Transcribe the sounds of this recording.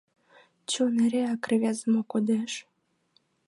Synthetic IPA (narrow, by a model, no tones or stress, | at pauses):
t͡ɕoneɾeɑkrβʲazəmokod̪eʃ